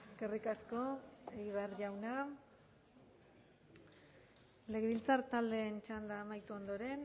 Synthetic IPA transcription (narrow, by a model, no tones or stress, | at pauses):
eske̞rikasko̞eɣiβ̞earʝawna | le̞ɣeβilt͡sart̪ald̪e̞ːnt͡ʃand̪aːmajt̪uo̞nd̪o̞ɾe̞n